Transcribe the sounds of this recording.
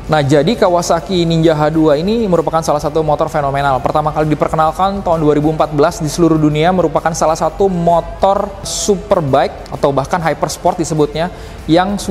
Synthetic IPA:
nahd͡ʒadikawasakiniɲd͡ʒaɦaduainiməɾupakansalasat̪umɔt̪ɔrfenomenalpərt̪amakalidipərkənalkant̪aɦunduaɾibuəmpat̪̚bəlasdisəluɾuhduniaməɾupakansalahsat̪umɔt̪ɔrsupərbaɪk̚at̪awbahkanɦajpərspɔrt̪̚disəbʊt̪̚ɲa | jaŋs

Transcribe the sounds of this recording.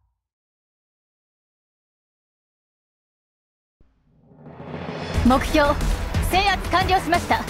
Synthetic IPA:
mo̞kɯ̟̥çʲo̞ːse̞ːjakɯ̥kãɲ̟d͡ʑioɕimaɕi̥t̪a

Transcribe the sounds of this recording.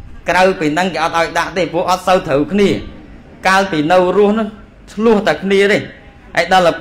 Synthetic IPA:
krawpiːnɨŋkeːʔɑt̪̚ʔaɔjɗaʔt̪eːpʊ̆əʔɑt̪̚səwt̪ʰəwkʰniə | kaːlpiːnɨwrʊ̆əhnʊ̆ŋ | tʰlʊəht̪awkʰniəɾəɲ | ʔaɛjɗɑlːəp

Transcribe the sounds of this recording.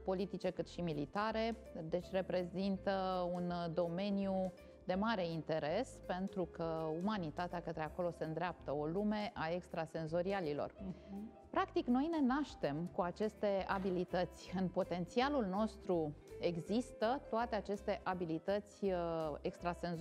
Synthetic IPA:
po̞lit̪it͡ʃe̞kɨt̪ʃimilit̪aɾe̞ | d̪e̞t͡ʃʲre̞pɾe̞zint̪əund̪o̞me̞nju | d̪e̞maɾe̞int̪e̞ɾe̞spe̞nt̪ɾukəumanit̪at̪eakət̪ɾeako̞lo̞se̞ɨnd̪ɾeap̚t̪əo̞lume̞ʔae̞kst̪ɾase̞nzo̞ɾialilo̞̰r | pɾakt̪ikno̞jne̞naʃt̪e̞mkuat͡ʃe̞st̪e̞abilit̪ət̪sʲɨnpo̞t̪e̞nt̪sialulno̞st̪ɾue̞ɡzist̪ət̪oat̪e̞at͡ʃe̞st̪e̞ʔabilit̪ət̪sʲekst̪ɾase̞nz

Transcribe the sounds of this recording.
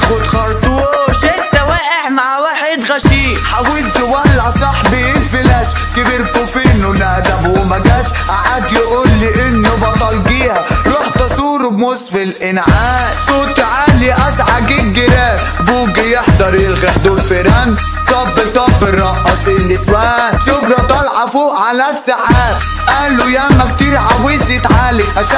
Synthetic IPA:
xʊd̪xɑɾˤt̪uʃɪt̪ːawaːʔɪħmaʕwaːħɪd̪ɣaʃiː | ħawilt̪ɪwalːʕasˤɑħbiʔɪlfɪlaːʃ | kɪbiːɾkʊfiːnʊnaʔd̪amwɪmaɡaʃ | ʔaʕad̪jʔuːlːiʔɪnːibɑt̪ˤɑlɡiːhaɾuːħt̪ɑsˤuːɾmʊsfɪlʔɪnʕaː | suːt̪ʕaːliʔasʕaɡɪɡɪɾaː | buːɡɪjɪħd̪ɑɾjɪlɣaħd̪ʊbfɪɾan | t̪ɑbːɪt̪ɑbːɪɾɑʔɑsilːiswaːʃʊbɾɑt̪ˤɑlʕɑfuʕalasːaħaːt̪ | ʔaːlujamak̚t̪iɾʕawiːnsit̪ʕaːliʔaʃa

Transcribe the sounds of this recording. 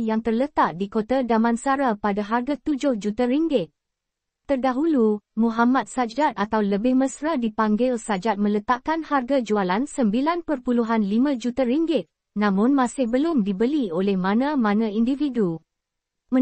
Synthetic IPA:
jaŋt̪ərlət̪aʔ̚dikot̪adamãnsaɾapadaɦarɡat̪ud͡ʒʊhd͡ʒut̪aɾiŋɡɪt̪̚ | t̪ərdaɦulumuɦamat̪̚sad͡ʒat̪̚at̪awləbɪhmə̃sɾadipaŋɡɪlsad͡ʒat̪̚mə̃lət̪aʔkanharɡad͡ʒualansəmbilanpərpuluɦanlimãd͡ʒut̪ariŋɡɪt̪̚ | nãmʊ̃nmãsɪhbəlʊmdibəliolɛhmãnãmãnãindividu | mə̃

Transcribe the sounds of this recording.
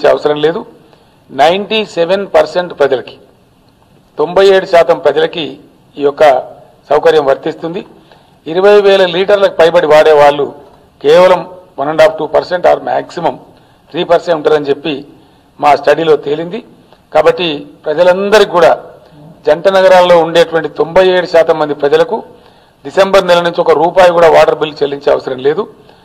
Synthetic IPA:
t͡ʃeɐ̰ʋɐsɐɾɐmle̞ːd̪u | nɐjɳʈiseʋenpɐɾse̞ɳʈpɾɐd͡ʒɐlɐki̥ | t̪o̞mbɐje̞ːɽuʃaːt̪ɐmpɾɐd͡ʒɐlɐki | iːjɔkːɐ | sɐwkɐɾjɐmʋɐɾt̪ist̪und̪i | iɾuʋɐjʋɛːlɐliːʈɐɾlɐkupɐjpɐɽiʋaːɽeːʋaːɭːu | kɛːʋɐlɐmʋɐnɐɳɖaːp̚ʰʈuːpɐɾseɳʈaːɾma̰ːksimɐm | t̪ʰɾiːpɐɾseɳuɳʈaːɾɐnit͡ʃe̞pːi | maːsʈɐɽilo̞ːt̪e̞lind̪i | kaːbɐʈːipɾɐd͡ʒɐlɐnd̪ɐɾikuːɽaː | d͡ʒɐɳʈɐnɐɡɐɾaːlɐlo̞ːuɳɖeːʈuʋɐɳʈit̪o̞mbɐje̞ːɽuʃaːt̪ɐmːɐnd̪ipɾɐd͡ʒɐlɐku | ɖise̞mbɐɾnɛlɐnuɲt͡ʃiɔkɐɾuːpaːjɐkuːɽaːʋaːʈɐɾbilːut͡ʃelːiɲt͡ʃeːɐ̰ʋɐsɐɾɐmle̞ːd̪u

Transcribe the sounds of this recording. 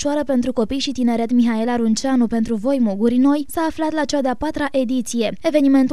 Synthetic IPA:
ʃuaɾəpe̞nt̪ɾuko̞pijʃit̪ine̞ɾe̞t̪miɦae̞laɾunt͡ʃanupe̞nt̪ɾuvo̞jmuɡuɾno̞jsaːflat̪lat͡ʃead̪eapat̪ɾaʔe̞d̪it̪sije̞e̞ve̞nime̞nt̪u

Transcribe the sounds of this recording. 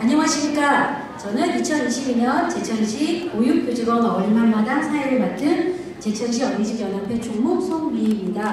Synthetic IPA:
aɲʌŋɦaɕʰimɲik͈a | t͡ɕʌnɯnit͡ɕʰʌniɕʰibiɲʌnt͡ɕe̞t͡ɕʰʌŋɕʰiojuk̚p͈jod͡ʑiɡwʌɡʌɭmanmadansʰaeɾɯɭmat͈ɯn | t͡ɕe̞t͡ɕʰʌŋɕʰiʌmɡid͡ʑikjʌnɦapʰe̞t͡ɕoŋmok̚sʰoŋɥiɲida

